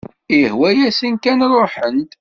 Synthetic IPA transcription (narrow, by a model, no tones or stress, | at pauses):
ihwæjæsinkænɾˤoħənt̪